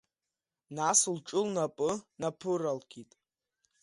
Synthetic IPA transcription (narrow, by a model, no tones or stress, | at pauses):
naslʈ͡ʂʼʊlnapʼɨnapʰɨralɡʲʰitʼ